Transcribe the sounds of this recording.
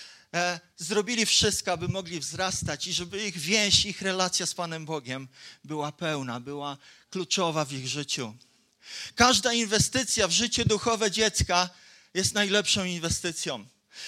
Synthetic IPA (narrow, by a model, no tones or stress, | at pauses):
zɾɔbʲilʲifʂɘst̪̚kɔabɘmɔɡlʲivzɾast̪at͡ɕiʐɛbɘiɣvʲjɛ̃ɕixɾɛlat̪sʲjaspanɛmbɔɡʲɛmbɘwapɛwnabɘwaklut͡ʂɔvavʲiɣʐɘt͡ɕu | kaʐd̪ainvɛst̪ɘt̪sʲjavʐɘt͡ɕɛd̪uxɔvɛd͡ʑɛt̪ska | jɛst̪najlɛpʂɔ̃w̃invɛst̪ɘt̪sʲjɔ̃w̃